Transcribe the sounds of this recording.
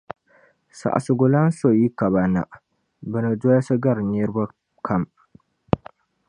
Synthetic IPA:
sa̰˨ʔsu˨ɡʊ˨la˦n˦so˨ji˦ka˨ba˨na̰˨ʔ | bɨ˨na˨d͡ʒo˦ja˦sɐ˦ɡa˦˨ɾne˦ɾba˦ | kʰa˦˨m

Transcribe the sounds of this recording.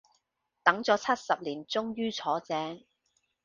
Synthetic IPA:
t̪ɐ˨˥ŋt͡sɔː˨˥t͡sʰɐ˥t̚sɐ˨p̚liː˨˩nt͡sʊ˥ŋjyː˥t͡sʰɔː˨˥t͡sɛː˨˥ŋ

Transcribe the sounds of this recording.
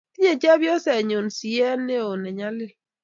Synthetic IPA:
ti˦ɲe˨d͡ʒɛ˦bjɔ˦sɛ˨ɲo˨n˨si˨ɛ˦ne˦o˨nɛ˨ɲa˦lɪ˦

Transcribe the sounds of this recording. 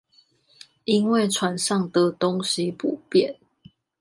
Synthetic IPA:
i˦nwe˥˨ɪt͡ʃʰwa˨˦nʂɑ˥˨ŋt̪ɤ˨˦t̪o˦ŋɕi˦pu˨˩pjɛ˥˨n

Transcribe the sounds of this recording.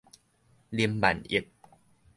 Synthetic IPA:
li˧əmba̰˨˩˦nʔḭ˨˩k̚

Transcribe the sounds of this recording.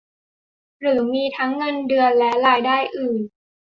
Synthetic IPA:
ɾɯː˩˦miː˧t̪ʰa˦˥ŋːɤ˧ndɯ˧ənlɛ˦˥ɾaː˧jdaː˥˩jʔɯː˨˩n

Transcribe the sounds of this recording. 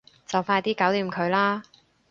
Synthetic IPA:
t͡sɐ˨wfaː˧jt̪iː˥ka˨˥wliː˨˧˩mkʰɵ˨˧ɥlaː˥

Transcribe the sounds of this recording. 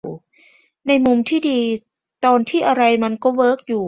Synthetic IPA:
na˧jmu˧mt̪ʰiː˥˩diː˧ | t̪ɔː˧nt̪ʰiː˥˩ʔa˧ɾa˧jma˧nkɔː˥˩wɤː˦˥k̚juː˨˩

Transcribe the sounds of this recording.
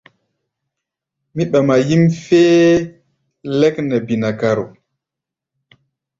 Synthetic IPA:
mi˦ɓa˨ma˨ji˦mfeː˦ | lɛ˦knɛ˨bi˨na˨ka˨ɾo̰˨

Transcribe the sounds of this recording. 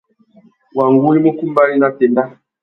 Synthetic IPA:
wa˨ŋɡu˦i˦mo˦ku˦mba˦li˦na˦te˨nda˦

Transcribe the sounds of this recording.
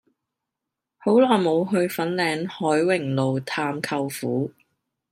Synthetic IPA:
ho˨˥wlɔː˨˩jmo˨˧wɦɵ˧ɥfɐ˨˥nlɛː˨˧nhɔː˨˥jwɪ˨˩ŋlo˨wt̪ʰaː˧mkʰɐ˧wfuː˨˥

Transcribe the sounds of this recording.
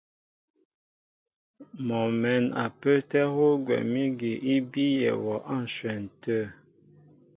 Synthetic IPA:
mɔ˨mɛ˨na̰˨pə˦tɛ˦ho˦ɡwɛ̰˨mi˦ɡe˨ʔi˦bi˦jɛ̰˨wɔ˨ʔa˦˨n̩˨swɛ˨n̩˨tə˦˨

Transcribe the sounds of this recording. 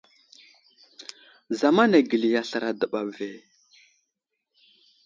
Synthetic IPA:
za˨ma˦na˨ɡə˨li˨ja˨ɬə˨ɾa˨də˨ɓa˨ve˨

